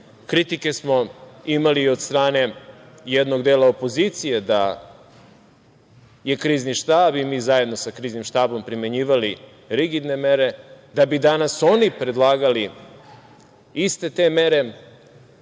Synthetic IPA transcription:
kɾit̪ike̞smo̞imaliːo̞d̪st̪ɾaːne̞ | jed̪no̞ɡd̪eːlˠaopo̞ziːt̪sije̞d̪a | je̞kɾiːzniʃt̪aːbimiːzaje̞d̪no̞sakɾiːznimʃt̪aːbo̞mpɾime̞ɲiːʋali | ɾiɡid̪ne̞me̞ɾe̞d̪abid̪anaso̞nipɾe̞d̪lˠaːɡali | ist̪e̞t̪eːme̞ɾe̞

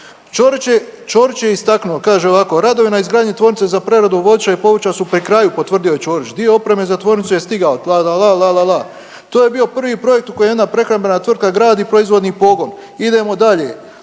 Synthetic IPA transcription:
t͡ʃoɾit͡ʃt͡ʃo̞ɾit͡ʃjeist̪aknuokaːʒeoʋako̞ɾad̪o̞ʋinaizɡɾaːd̪ɲet̪ʋo̞ɾnit̪sezapɾe̞ɾad̪uʋo̞d̪t͡ʃaipo̞ʋrt͡ʃasupɾikɾajupo̞t̪ʋr̩d̪io̞je̞t͡ʃo̞ːɾit͡ʃd̪ie̞o̞pɾe̞me̞zat̪ʋo̞ɾnit̪suje̞st̪iɡaolalalalalala | t̪oːje̞bio̞pr̩ʋiːpɾo̞je̞k̚t̪uko̞jemje̞d̪napɾe̞xɾambe̞nat̪ʋr̩t̪̚kaɡɾaːd̪ipɾo̞izʋo̞d̪niːpo̞ɡo̞n | id̪e̞mo̞d̪aʎeː

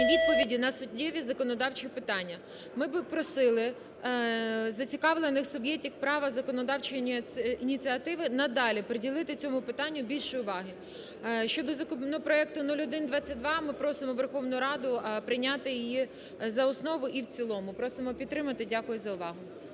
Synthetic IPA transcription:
ʋʲid̪̚pɔʋʲidʲinɐsʊtʲːɛʋʲizɐkɔnɔd̪ɑwt͡ʃɪɔpɪt̪ɑnʲːɐ | mɪbɪpɾɔsɪlˠɪ | zɐt͡sʲikɑʋlˠenɪxsʊbjɛk̚tʲiwpɾɑʋɐzɐkɔnɔd̪ɑwt͡ʃʊjiinʲit͡sʲiɐt̪ɪʋɪnɐd̪ɑlʲipɾedʲilˠɪt̪ɪt͡sʲɔmʊpɪt̪ɑnʲːʊbʲilʲʃʊjʊʋɑɦɪ | ʃt͡ʃɔd̪ɔzɐkʊpnɔpɾɔɛk̚t̪ʊnulʲɔd̪ɪnd̪ʋɑt͡sʲːɐt̚ʲd̪ʋɑmɪpɾɔsɪmɔʋerxɔʋnʊɾɑd̪ʊpɾɪnʲat̪ɪjɪji | zɐɔsnɔʋʊʔiwt͡sʲilˠɔmʊpɾɔsɪmɔpʲit̪t̪ːɾɪmɐt̪ɪdʲakʊjʊzɐʊʋɑɦʊ

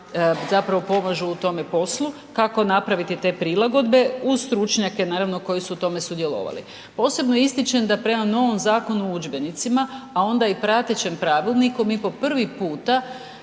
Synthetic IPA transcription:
zapɾaʋo̞po̞maʒuːt̪o̞me̞po̞slu | kako̞napɾaʋit̪it̪e̞pɾilaɡo̞d̪be̞uzst̪ɾut͡ʃɲake̞naːɾaʋnoko̞jisuːt̪o̞me̞sud̪jelo̞̰ʋa̰lḭ | po̞ːse̞bnojist̪it͡ʃemd̪apɾe̞mano̞ʋo̞mzaːko̞nuud͡ʒbe̞nit̪simaːo̞nd̪aipɾat̪et͡ɕe̞mpɾaːʋilnikumipo̞pr̩ʋipuːt̪a

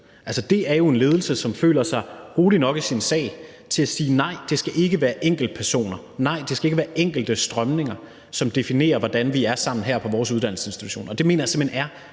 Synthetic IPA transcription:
ælsəd̥e̝æɐjo̝e̝nle̝ːðˠl̩səsɒ̽mfø̰ːlɐsɑ̈ɪʁoːlinɒ̽ɡ̥əsinsɛ̰ɪ | t͡sʰe̝læsiːnɑ̈ɪ̰d̥e̝sɡ̥æʔe̝ɡ̥əʋæːɐʔeŋ̰ɡ̥l̩d̥̚pʰæɐso̝̰ːnɐ | nɑ̈ɪ̰d̥e̝sɡ̥æe̝ɡ̥əʋæːɐʔeŋ̰ɡ̥l̩d̥əsd̥ʁɶmne̝ŋɐ | sɒ̽md̥e̝fine̝̰ːɐʋɒd̥ænʋiæɐsɑ̈m̰n̩ɦæɐ̰pʰɒ̽ʋɒːsuð̞ˠdæn̰l̩sə̥e̝nsd̥i̥t͡sʰuɕo̝̰ːnɒ̽d̥e̝me̝ːnɐjse̝mhenæɐ

